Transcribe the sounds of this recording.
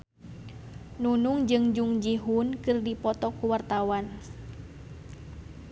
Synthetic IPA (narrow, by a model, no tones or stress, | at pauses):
nunuŋd͡ʒɨŋd͡ʒuŋd͡ʒiɦunkɨrdipɔt̪ɔkuwart̪awan